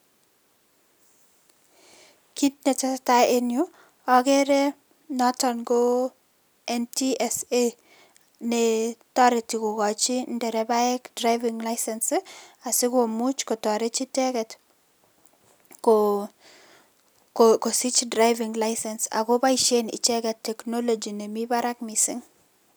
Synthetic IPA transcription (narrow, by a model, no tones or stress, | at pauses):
kit̚nɛtɛstaenju | ɔkɛɾɛ | nɔtɔnɡo | ɛntiɛse | nɛtɔɾɪtikoɡɔt͡ʃindɛɾɛbaɛkdɾajvɪŋlajsɛnsɪasɪkomut͡ʃkɔtɔɾet͡ʃitɛkɛt | ko | kkosit͡ʃdɾajvɪŋlajsɛnsa̰ɡɔbaiʃenɪ̰t͡ʃɛɡɛtːɛknɔlod͡ʒinɛmibaɾakmisɪŋ